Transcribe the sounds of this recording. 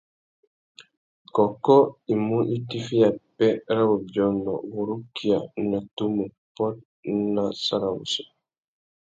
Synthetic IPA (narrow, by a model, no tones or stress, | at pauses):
kɔkːɔimuʔitifijapɛɾawud͡ʒɔndɔ̰wuɾukːijanatumu | pɔt̚ | nasaɾawṵsu̥